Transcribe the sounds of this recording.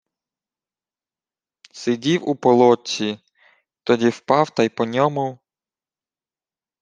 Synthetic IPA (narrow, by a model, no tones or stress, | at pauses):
sɪdʲiwupɔlˠɔt͡sʲːi | t̪ɔdʲiwpɑwt̪ɑjpɔnʲɔmʊ